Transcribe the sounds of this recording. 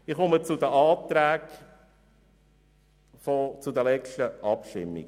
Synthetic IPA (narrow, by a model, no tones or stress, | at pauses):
ɪχɔmət͡sud̪əʔɑːt̪ɾæːk | fɔt͡sud̪əlɛt͡ʃtəʔɑpʃtɪ̰mːḭɡ